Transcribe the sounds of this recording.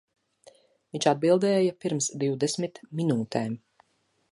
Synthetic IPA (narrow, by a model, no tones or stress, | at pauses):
viɲt͡ʃad̪̚bilˠd̪ɛːjapiɾmsd̪iwd̪esmit̪minuːt̪ɛːm